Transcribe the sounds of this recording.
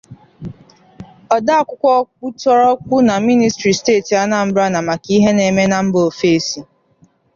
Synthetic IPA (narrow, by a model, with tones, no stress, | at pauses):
ɔ˨da˦a˦˨kʷʊ˦kʷɔ˦k͡pu˦tɔ˦ɾɔ˦kʷʊ˦na˨mi˦ni˨stɾi˨steː˦˨ti˨a˦na˨m̩˦bɾa˦na˨ma˨ki˦ɦe˦ne˨me˦na˨m̩˦bo˨fe˦si˨